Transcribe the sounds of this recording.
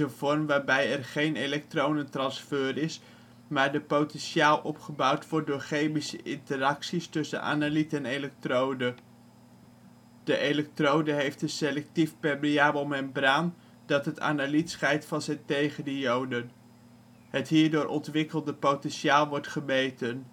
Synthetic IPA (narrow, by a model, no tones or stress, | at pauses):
ənvɔɹmʋaːɹbɛjɛrχejnelɛk̚trownətrɑnsføːrɪs | maːɹdəpowtɛnʃaːlˠɔpχəbɑwtʋɔɹt̚dʊːɹχejmisəʔɪ̰ntəɾɑksistɵsə̰nʔa̰ːnalitɛnejlɛk̚trowdə | d̥əʔejlɛk̚trowdəɦejftəselɛk̚tifpɛbiaːbəlˠmɛnbraːn | dɑtɦəta̰ːnalitsχɛjtfɑnzɛjntejχəndəjowdən | ɦətɦiːɹdʊːɹʔɔ̰ntʋɪkəlˠdəpotɛnʃaːlˠʋɔɹtχəmejtən